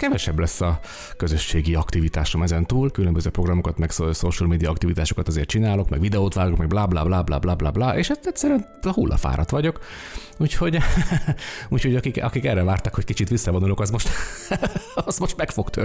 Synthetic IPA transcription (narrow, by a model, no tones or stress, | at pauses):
kɛvɛʃɛblɛsːɒ | kø̞zøʃːeːɡiɒkt̪ivit̪aːʃo̞mɛzɛnt̪uːlkylømbøzøːpro̞ɡrɒmo̞kɒt̪mɛkssoʃulmeːd̪ijɒɒkt̪ivit̪aːʃo̞kɒt̪ɒzeːrt̪t͡ʃinaːlo̞kmɛ̰ɡʋid̪ɛoːt̪ʋaːɡokmɛɡ̚blaːblaːblaːbla̰ːblaːbla̰ːblaːʔeːʃɛst̪ɛcʲsɛɾyɛn | ɒhulːɒ̰fa̰ːɾʔɒ̰t̪ʋɒɟo̞k | uːcho̞ɟ | uːcʰho̞ɟɒkikɒ̰kikɛrːɛvaːrt̪ɒkhockit͡ʃit̪ʋisːɒvo̞nulo̞kɒzmo̞ʃt̪ | ɒz̥mo̞ʃt̪mɛkfo̞kt̪ʰø̰ː